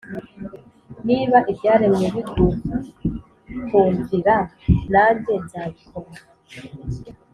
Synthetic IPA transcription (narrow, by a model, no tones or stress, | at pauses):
niːβaʔibɟaːɾemŋeβiɡuːka | kuːɲviɾa | naːɲɟezaːβikʰom